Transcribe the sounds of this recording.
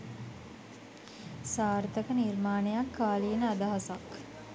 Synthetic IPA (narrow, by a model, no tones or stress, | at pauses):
saːɾt̪əkənirmaːnejakːaːlienəad̪aɦasak